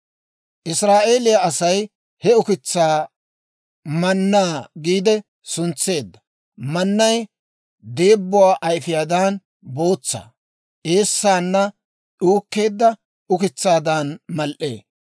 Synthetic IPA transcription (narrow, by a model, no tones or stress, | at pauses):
ʔɪsɾaːʔe̞ːlɪjɐɐsɐj | hɛʊkɪt͡sːaː | mɐnːaːɡiːd̪ɛ | sʊnt͡sːe̞ːd̪ːɐ | mɐnːɐj | d̪e̞ːbːʊwaːʔɐjfɪjaːd̪aːn | bo̞ːt͡sːa̰ː | ʔe̞ːsːaːnːɐ | ɗuːkːe̞ːd̪ːɐ | ʊkɪt͡sːaːd̪aːnmɐlʔḛː